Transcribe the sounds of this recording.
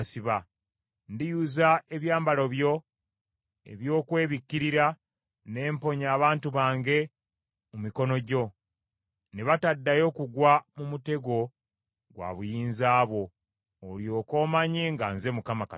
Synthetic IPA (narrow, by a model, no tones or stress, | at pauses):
siβa | ndijuzae̞βjaːmbalo̞βjo̞ | e̞̰βjo̞ːkwe̞ːβikːiɾiɾa | ne̞ːmpo̞ɲaːβaːntuβaːŋɡe̞ | mumiko̞no̞ɟo̞ | neβatadːajo̞kuɡwamumute̞ɡo̞ | ɡwa̰ːβujiːnzaːβo̞ː | ljo̞ːko̞ːmaɲeŋɡaːnze̞mukamaka